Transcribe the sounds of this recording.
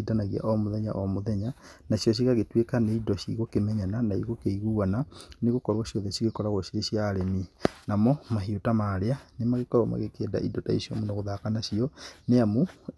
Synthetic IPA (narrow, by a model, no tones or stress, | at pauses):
idanaɣia̰ʔomoðɛɲa̰ʔomoðɛɲa | naʃjɔɕ̬iɣaɣetwekaneidɔʃḭɣokemɛɲananaiɣokeiɣuananeɣokɔɾwaʃjɔðeʃiɣekɔɾaɣoʃiɾeʃiaɾeminamɔmaɦiotamaɾeanemaɣekɔɾwama̰ɣekeːda̰ʔḭdotaḭʃjomonaɣoðakanaʃiɔneamo